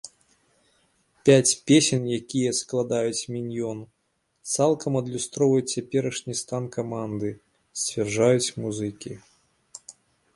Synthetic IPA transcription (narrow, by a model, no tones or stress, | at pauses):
pʲat͡sʲpʲesʲɛnjakʲijɛsklˠad̪ajut͡sʲmʲinʲjɔn | t̪salˠkʰɐmɐd̪lʲust̪ɾɔvɐjut͡sːʲapʲɛɾɐʂnʲist̪ankamand̪ɨ | sʲt͡sʲvʲɛrʐajut͡sʲmuzɨkʲi